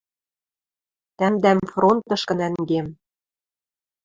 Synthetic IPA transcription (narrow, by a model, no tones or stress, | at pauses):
t̪æmd̪æmfront̪ɤ̆ʃkɤ̆næŋɡem